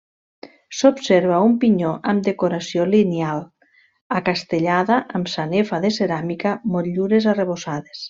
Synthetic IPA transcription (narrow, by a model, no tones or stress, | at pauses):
sopseɾβaumpiɲoʔamd̪ekoɾasjolinealˠ | akast̪eʎaðaʔamsanefaðeseɾamikamoʎuɾezareβ̞osaðes